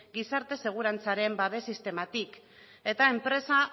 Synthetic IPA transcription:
ɡisaɾt̪e̞se̞ɣ̞uɾant͡saɾe̞mbaðe̞sist̪e̞mat̪ik | e̞t̪ae̞mpɾe̞sa

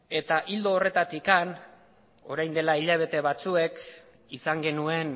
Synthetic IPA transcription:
e̞t̪aʔild̪oːre̞t̪at̪ikan | o̞ɾajnd̪e̞laiʎaβ̞e̞t̪e̞βat͡sue̞k | isaŋɡe̞nue̞n

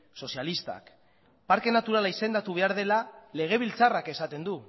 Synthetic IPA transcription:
so̞sjalist̪a̰k | paɾke̞nat̪uɾalaise̞nd̪at̪uβe̞aɾðe̞lale̞ɣ̞e̞β̞ilt͡sarake̞sat̪e̞nd̪u

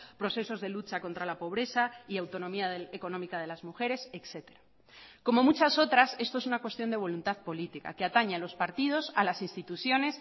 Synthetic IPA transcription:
pɾo̞θe̞so̞zðe̞lut͡ʃako̞nt̪ɾalapo̞β̞ɾe̞θaiawt̪o̞nõ̞miaðeeko̞nõ̞mikaðe̞lazmuxe̞ɾe̞sekse̞t̪e̞ɾa | ko̞mo̞mut͡ʃaso̞t̪ɾase̞st̪o̞esunakwe̞st̪jo̞nd̪e̞β̞o̞lunt̪aðpo̞lit̪ika̰keat̪aɲalo̞spaɾt̪ið̞o̞salasinst̪it̪uθjo̞ne̞s

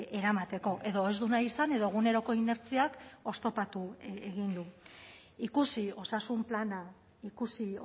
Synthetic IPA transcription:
e̞ɾamat̪e̞ko̞ʔe̞ðo̞e̞zd̪unaisane̞ðo̞ɣ̞une̞ɾo̞ko̞ine̞ɾt͡siako̞st̪o̞pat̪ueɣind̪u | ikusio̞sasumplana | ikusi

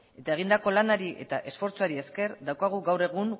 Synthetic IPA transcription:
e̞t̪ae̞ɣ̞ind̪ako̞lanaɾiʔe̞̰t̪aʔe̞sfo̞ɾt͡soaɾie̞ske̞ɾd̪awkaɣ̞uɣawre̞ɣ̞uŋ

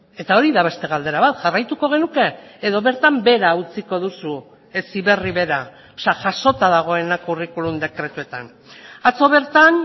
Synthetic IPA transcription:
e̞t̪ao̞ɾiðaβe̞st̪e̞ɣ̞ald̪e̞ɾaβat̪ʝarajt̪uko̞ɣ̞e̞nuke̞ːðo̞βe̞ɾt̪ambe̞ɾaut͡siko̞ð̞usu | esiβe̞riβe̞ɾa | osaʝaʃo̞t̪aðaɣ̞o̞e̞nakurikulund̪e̞kɾe̞t̪ue̞t̪an | at͡so̞β̞e̞ɾt̪an

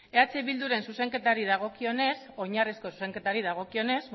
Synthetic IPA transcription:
e̞at͡se̞βild̪uɾe̞nsuse̞ŋke̞t̪aɾiðaɣ̞o̞kio̞ne̞so̞ɲarisko̞su̥se̞ŋke̞t̪aɾiðaɣ̞o̞kio̞ne̞z

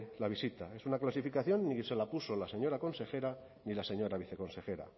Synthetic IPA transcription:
laβ̞isit̪ae̞sunaklasifikaθjo̞nːise̞lapuso̞laseɲo̞ɾako̞nse̞xe̞ɾa | nilase̞ɲo̞ɾaβiθe̞ko̞nsexe̞ɾa̰

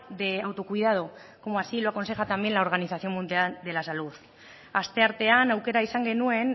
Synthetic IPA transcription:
d̪e̞awt̪o̞kuiðað̞oko̞moasilo̞ako̞nsexat̪ambje̞nlao̞ɾɣaniθaθjo̞mund̪iald̪e̞lasaluθ | ast̪e̞aɾt̪e̞anawke̞ɾaisaŋɡe̞nue̞n

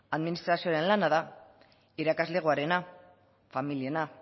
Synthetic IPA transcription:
aðminist̪ɾasioaɾe̞nlanaða | iɾakazle̞ɣ̞uaɾe̞na | familie̞na

